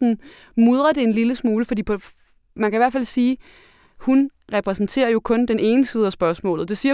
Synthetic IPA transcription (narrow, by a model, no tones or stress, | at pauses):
n̩ | muð̞ˠʁɐd̥e̝enliləsmuːləfɒdḭːpʰ | mænkʰæiʋæɐ̰fælsiː | hunʁɛpʰʁɛsn̩t͡sʰe̝̰ːɐjo̝kʰɔ̽nd̥ene̝ːnəsiːð̞̩ˠæsb̥ɶɐsmɔ̰̽ːlð̩ˠd̥e̝siːɐ